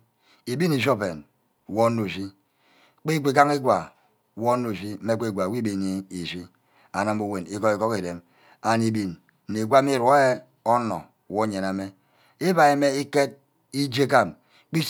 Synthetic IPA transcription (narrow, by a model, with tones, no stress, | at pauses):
i˨bi˦ni˨ʃ̬o˦pḛ˨n˨ | wo˦no˨ʃi˦ | k͡pi˦ɡʷe˨ka˦ŋi˦ɡwa˨ | wo˦no˦˨fi˦me˦ke˦˨ɡʷa˨wʷi˦bi˦ni˨i˨ʃi˦ | a˨na˨mu˦we˨ni˦ko˦i˨ko˦ke˨de˨m | a˨ni˨bi˨n̩˨ | i˨ɡʷa˦m˦i˦˨ɾo˦e˦ | ɔ˦nɔ̰˨wo˦ɲe˨na˨me˦ | i˦ba˨e˨me˦i˦ke˦t̚ | i˦d͡ʒe˦ka˦˨m | k͡pi˦